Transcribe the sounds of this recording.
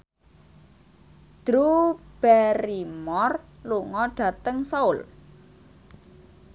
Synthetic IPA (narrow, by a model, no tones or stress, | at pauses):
d̪̥ɾub̥ɛɾimɔrluŋɔɖ̥ä̤t̪əŋsaʊl